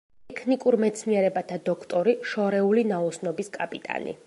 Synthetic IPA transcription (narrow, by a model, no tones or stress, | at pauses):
ɛkʰnikʼuɾmɛt̪sʰniɛɾɛbat̪ʰad̪ɔkʰt̪ʼɔɾiʃɔɾɛulinaɔsnɔbiskʼapʼit̪ʼa̰nḭ